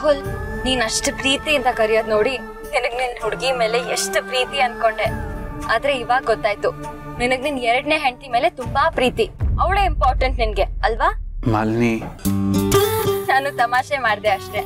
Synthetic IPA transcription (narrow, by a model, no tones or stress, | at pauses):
aːɦulniːnɐʂʈpɾiːt̪ijːnd̪ɐkɐɾijoːd̪noːɽi | ninɨɡninɦuɽɡime̞ːle̞eʂʈpɾiːt̪iɐnd̪̚ko̞ɳɖe̞aːd̪ɾe̞iʋaːɡɡot̪ːaːjt̪u | ninɨɡninɛɾɐɽneːɦeɳt̪ime̞ːle̞t̪umbapɾiːt̪iɐʋɭeːimpaːɾʈɐɳʈninɡe̞ɐlʋaːmɐ̰lni | naːnut̪ɐmaːʃemaːɖd̪eɐʂʈe̞